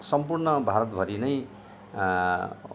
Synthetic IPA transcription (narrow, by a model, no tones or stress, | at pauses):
sʌmpurnʌbʱaɾʌt̪bʱʌɾinʌj